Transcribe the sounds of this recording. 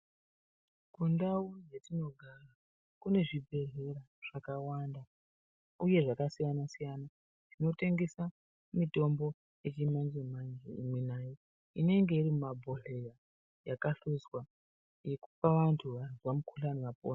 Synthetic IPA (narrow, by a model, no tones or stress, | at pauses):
kundawujetino̞ɡʱara | kune̞ʐibʱe̞reɾa | ʐ̥akawanda | uje̞ʐakasijanasijana | tino̞te̞ŋɡe̞sa | mito̞mbo̞ | je̞t͡ʃimanzemand͡ʒeḭmwinaːje | ine̞ŋɡe̞irimumabʱo̞ɬe̞ja | jakaɬuzwa | je̞ku̥paʋantʰuʋazwamukʰuɬaniʋapo̰ːn